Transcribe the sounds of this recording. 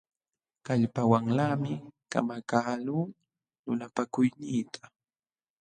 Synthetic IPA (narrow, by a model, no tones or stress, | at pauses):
kaʎpawaŋlaːmɪka̰makaːluː | nʊnapakʊjnɪːt̪ʰḁ